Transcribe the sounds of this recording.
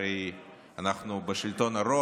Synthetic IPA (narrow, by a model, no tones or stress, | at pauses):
ej | anaχnubeʃilt̪o̞naɾo